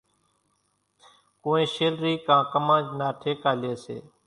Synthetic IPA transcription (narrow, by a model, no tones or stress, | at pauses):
kõːẽːʃeːlɾiːkãːkəmãːd͡ʒnaːʈʰeːkaːleːsḛː